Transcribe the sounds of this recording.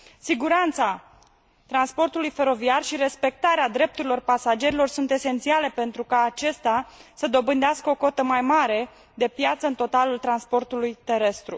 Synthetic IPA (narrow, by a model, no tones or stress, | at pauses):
siɡuɾant̪sa | t̪ɾanspo̞rt̪ulujfe̞ɾo̞viarʃiɾe̞spe̞k̚t̪aɾead̪ɾe̞p̚t̪uɾilo̞rpasad͡ʒe̞ɾilo̞rsunt̪e̞se̞nt̪siale̞pe̞nt̪ɾukaːt͡ʃe̞st̪easəd̪o̞bɨnd̪easkəoko̞t̪əmajmaɾe̞ | d̪e̞pjat̪səɨnt̪o̞t̪alult̪ɾanspo̞rt̪ulujt̪e̞ɾe̞st̪ɾṵ